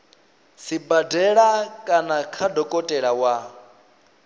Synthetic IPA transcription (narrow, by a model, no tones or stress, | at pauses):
sibadɛɺakʼanakʰadɔkʼɔtʼɛɺawa